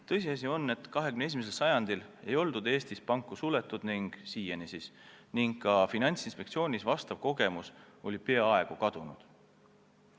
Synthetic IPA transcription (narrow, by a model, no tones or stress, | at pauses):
t̪ɤ̞jsiɑs̬ʲio̞nːe̞t̪ːˑkɑɦe̞kymnee̞s̬imes̬elsɑjɑnd̪̥ile̞jo̞ld̪̥ud̪e̞ːst̪ispɑŋkːˑusule̞t̪ːˑud̪̥niŋɡ̥siːjenisisniŋɡkːɑfinɑnʲt̪sinspe̞k̚t̪sio̞ːnisvɑst̪ɑv̥ko̞ɡe̞muso̞lʲipe̞ɑɑe̞ɡ̥ukɑd̪̥unṵd̪̥